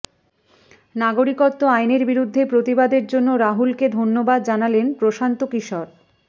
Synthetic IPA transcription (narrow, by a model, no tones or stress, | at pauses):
naɡoɾikot̪ːoajneɾbiɾud̪ʱːepɾot̪ibad̪eɾd͡ʑonːoɾaɦulked̪ʱonːobad̪̚d͡ʑanalenpɾoʃant̪okiʃɔɾ